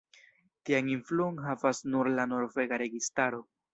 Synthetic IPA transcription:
tianinfluonɦavasnuɾlano̞ɾve̞ɡaɾe̞ɡistaɾo̞

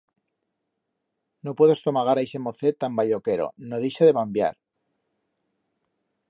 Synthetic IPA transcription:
no̞pwe̞ðo̞st̪omaɣaɾajse̞mo̞θe̞t̪ambaʎo̞ke̞ɾo̞̰noðejʃaðe̞βambja̰ɾ

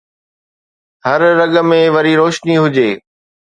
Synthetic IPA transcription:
hɐɾːɐɠə̆mẽʋɐɾiɾoːʃniɦʊd͡ʑeː

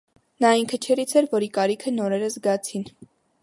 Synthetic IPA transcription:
nɑiŋkʰət͡ʃʰɛɾit͡sʰɛɾvɔɾikɑɾikʰənɔɾɛɾəzɡɑt͡sʰin

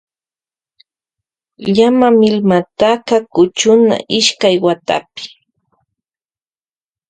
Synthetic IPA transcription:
ʎamamɪlmat̪akakʊt͡ʃʊna̰ʔɪʃkajwat̪a̰pɪ̥

